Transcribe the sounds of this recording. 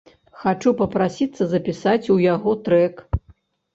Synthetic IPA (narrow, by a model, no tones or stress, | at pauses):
xat͡ʂupɐpɾasʲit̪sːɐzɐpʲisat͡sʲujaɣɔt̪ɾɛk